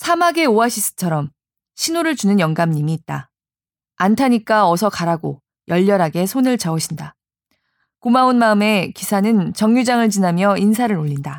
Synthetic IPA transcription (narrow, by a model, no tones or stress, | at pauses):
sʰamaɡe̞oaɕʰis͈ɯ̥t͡ɕʰʌɾʌm | ɕʰinoɾɯɭt͡ɕunɯnjʌŋɡamɲimiːt̚t͈a | antʰaɲik͈aʌsʰʌkaɾaɡo | jʌʎːʌɾɦaɡe̞sʰonɯɭt͡ɕaoɕʰinda | kumaonmaɯme̞kisʰanɯnt͡ɕʌŋjud͡ʑaŋɯɭt͡ɕinɦamjʌinsʰaɾɯɾoʎːinda